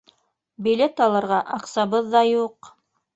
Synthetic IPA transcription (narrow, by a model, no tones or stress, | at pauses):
bilʲet̪ɑlˠɤ̆ɾʁɑʔɑqsɑβɤðːɑjuq